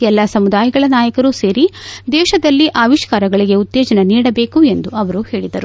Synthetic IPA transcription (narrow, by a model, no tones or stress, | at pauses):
ɛlːasɐmud̪aːjɐɡɐɭɐnaːjɐkɐɾuse̞ːɾid̪ɛːʃɐd̪ɐlːiʔaːʋiʃkaːɾɐɡɐɭiɡe̞ut̪ːɛːd͡ʒɐnɐniːɽɐbe̞ːkue̞nd̪uɐʋɐɾuhe̞ːɭid̪ɐɾu